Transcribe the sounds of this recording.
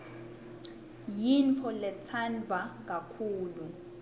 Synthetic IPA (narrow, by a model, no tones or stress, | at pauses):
jinfʰɔlɛt͡sʰanvak̬ʼakʰuːlu